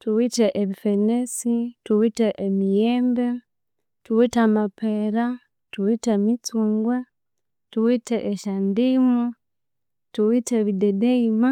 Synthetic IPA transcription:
tuwiteʔeβifenesituwiteʔemijeːmbe | tuwitamapeɾa | tuwitemit͡suːŋɡwe | tuwiteʔeʃandimu | tuwiteβidedeima

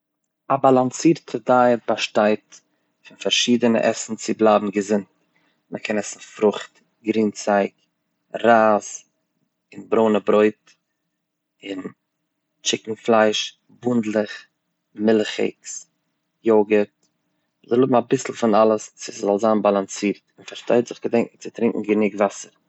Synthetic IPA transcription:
abalˠant͡siːɾtʰədaɪbaʃtaɪt | fɪnfaɾʃiːdənə̰ʔɛsn̩t͡sɪblˠaːbm̩ɡəzɪnt̚ | mʔəkʰɛnɛsn̩fɾʊχt | ɡɾiːnt͡saɪk | ɾaːs | ɪnbɾoʊnəbɾoɪt | ɪn | t͡ʃɪkŋ̩flˠaɪʃ | bundl̩ˠəχ | mɪlˠəχḛɪks | joɡət̚ | zɪlˠʊbm̩abɪsl̩ˠfɪnalˠəst͡sɪszɔlˠzaːnbalˠant͡siːɾtɪnfaɾʃtaɪtz̥ɪχɡədɛŋkŋ̩t͡sɪtɾɪŋkŋ̩ɡənuɡvasəɾ

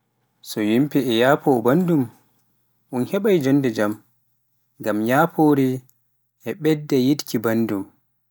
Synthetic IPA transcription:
sɔjimpiɛjaːpʰɔbandum | ʔunhɛɓajd͡ʒɔnːdɛd͡ʒam | ŋɡamjaːpʰoɾi | ʔɛɓɛdːɛjitkibandum

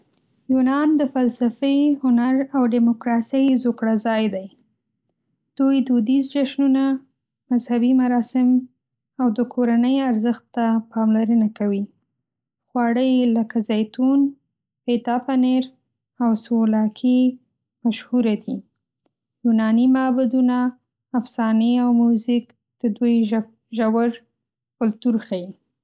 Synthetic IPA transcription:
junɑnd̪əfalsafehʊnaɾawɖimokɾɑsəjzokɽazɑjd̪aj | d̪̥ujd̪ud̪izd͡ʒaʃnuna | mazhabimaɾɑsɪm | awd̪əkʰoɾanəjaɾzəxt̪ːapɑmlaɾənakawi | xwɑɽəjləkazajt̪un | pet̪ɑpaneɾ | awsolɑkʰi | maʃhuɾad̪i | junɑnimabad̪unaː | fsɑneawmuzik | d̪̥əd̪uj | ʒawaɾ | kʊlt̪uɾxaj

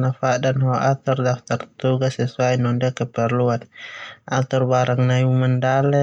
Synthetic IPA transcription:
nafaʔdanɦɔʔat̪ɔrdaft̪art̪uɡasːɛsuajnɔndɛkəpɛrluanat̪ɔrbaɾaŋnajumandalɛ

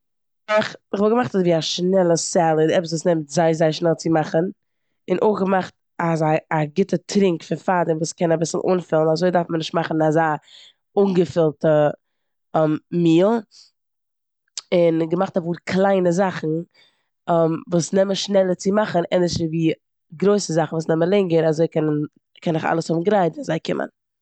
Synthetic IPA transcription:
maχtɪχvɔlˠɡəmaχtaviːaʃnɛlˠəsɛlˠədɛpəsvuːsnɛmtzaɪzaɪʃnɛlˠt͡sɪmaχən | ɪnʔoːχɡəmaχt | azaaɡɪtətʰɾɪŋkfɪnfaːdənvuːskɛnabɪsl̩ˠʔṵːnfɪlˠən̩azoɪdaɾfmənɪʃt̚maχn̩azaː | uːŋɡəfɪlˠtə | mmiːlˠ | ɪnɡəmaχtavuːɾkʰlˠaɪnəzaχn̩ | ɛmvuːsnɛməʃnɛlˠət͡sɪmaχənɛnɪʃəviː | ɡɾoɪsəzaχn̩vuːsnɛməlˠɛŋɡəɾazoɪkɛnən | kʰɛnɪχa̰lˠəshʊbm̩ɡɾaɪdizaɪkʰɪ̰mʔə̰n

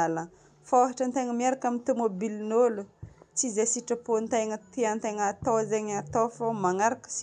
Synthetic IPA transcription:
ala | faoɦaʈ͡ʂənt̪ajŋəmiaɾakamint̪omobilnolut͡sizesiʈ͡ʂəpont̪ajŋət̪eant̪ajŋat̪ozeɲat̪ofomaŋaɾakə̥s

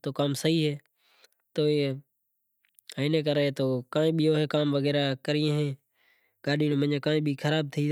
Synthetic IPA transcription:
t̪oːkaːmsəɦiːɦeː | t̪oːiː | əɪnẽːk̬əɾeːt̪oːkaːẽːɓɪjoːɦeːkaːmʋəɣeːɾaːkəɾɪjẽːɦẽː | ɡaːɗiːnːməɲẽːkaːĩːɓʱiːkʰəɾaːb̚t̪ʰiː

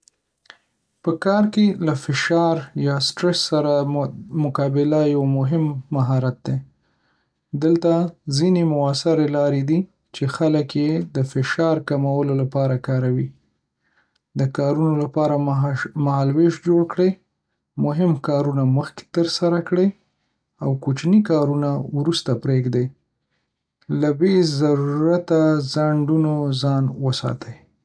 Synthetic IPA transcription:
pəkɑɾkelafɪʃɑɾjɑsʈɾɛsːaɾamʊkɑbɪlajawmʊɦɪmːaɦɑɾat̪̚d̪e | d̪əlt̪azinemʊasaɾelɑɾed̪i | t͡ʃexaləkjed̪əfɪʃɑɾkamawəlolapɑɾakɑɾawi | d̪əkɑɾunolapɑɾamaɦɑlweʃd͡ʒoɽkɽəj | mʊɦɪmkɑɾunaməxke̥t̪əɾsaɾakɽəj | awkut͡ʃnikɑɾunawɾust̪apɾeɡd̪ej | labezaɾuɾat̪azaɳɖunozɑnwəsɑ̰t̪ʰəj

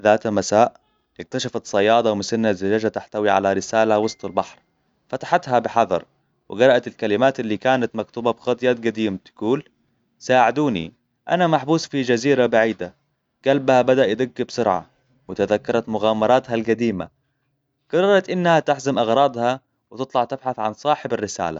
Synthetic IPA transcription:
ðaːt̪amasaːʔ | ʔɪk̚t̪aʃafɑt̪sˤɑjːɑːd̪ˤɑwmɪsɪnːazad͡ʒaːd͡ʒat̪aħt̪awiʕa̰laɾɪsaːlawɑsˤt̪ˤɑlbaħɾ | fat̪ḁħat̪ɦabɪħɑðˤɑ̰ɾˤ | wɪ̰ɡɑɾˤɑʔat̪ɪlkalɪmaːt̪ɪlːiːkaːnat̪mak̚t̪uːbabxɑt̪ˤjat̪ɡad̪iːmt̪ḁɡuːl | saːʕad̪uːnḭ | ʔa̰namaħbuːsfid͡ʒaziːɾabaʕiːd̪a | ɡ̥albhabad̪aʔjɪd̪aɡːɪbsʊɾʕa̰ | wɪt̪aðakːɑɾˤɑt̪mʊɣaːmɑɾˤɑːt̪halɡad̪iːma̰ | ɡ̥ɑrˤːɑɾˤɑt̪ʔɪnːahat̪ɪħzamʔɑɣɾˤɑːd̪ˤhɑ | wɪt̪ɨt̪ˤlɑʕt̪ɪbħaθʕa̰nsˤɑːħɪbarːɪsa̰ːla̰

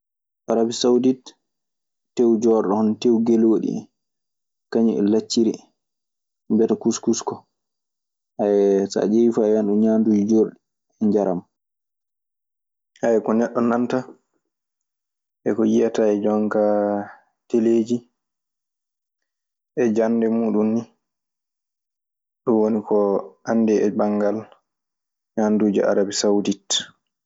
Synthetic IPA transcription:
ʔaɾabisaudit | tːewd͡ʒɔɾɗɔhɔntewɡelwoɗḭ | kaɲiɛ̰lat͡ʃːiɾḭ | mbɛtakuskuskɔ | ʔajɛsa̰d͡ʒiɾifaɛjanɗuɲandud͡ʒid͡ʒoɾɗi | ɛɲd͡ʒaɾam | hajɛkɔnɛɗːɔnanta | ʔɛkɔjijataɛd͡ʒɔŋka | teled͡ʒi | ʔɛd͡ʒandɛmuːɗunːi | ɗunwonikɔanːdɛɛbaŋɡal | ɲanduːd͡ʒḭʔa̰ɾabisawdit

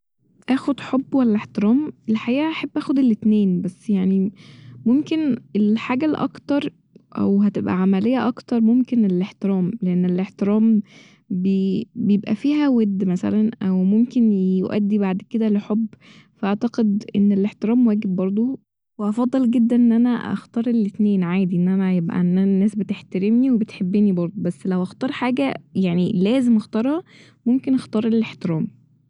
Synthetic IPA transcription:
ʔæːxod̪ħobːwælːæeħt̪eɾæːmʔelħaʔiːʔæʔaħebːʔæːxod̪elet̪neːnbæsːjaʕnimomkenelħaːɡælʔɑ̰kt̪ɑɾˤ | ʔæ̰wɦæt̪ebʔæ̰ʕamælejːæʔɑkt̪ɑɾˤmomkeneleħt̪eɾæːmleʔenːeleħt̪eɾæːm | bebejebʔæ̰fiːɦæwed̪ːmæsæ̰lænʔæwmomkenjoʔæd̪ːibaʕd̪ked̪æleħobː | fæʔaʕt̪æqed̪ʔenːeleħt̪eɾæːmwæːɡebːɑɾˤd̪ˤo | weʔɑfɑd̪ˤːelɡed̪ːænʔenːʔænæʔɑ̰xt̪ɑːɾˤelːet̪neːnʕaːjd̪iʔenːʔænæjebʔæ̰nːʔænːæːsbet̪eħt̪æɾemniwebet̪ħebːenibɑɾˤd̪ˤobæsːlæwʔɑxt̪ɑːɾˤħaːɡæjaʕnilæːzemʔɑxt̪ɑːɾˤhɑ | momkenʔɑxt̪ˤɑːɾˤeleleħt̪eɾæːm

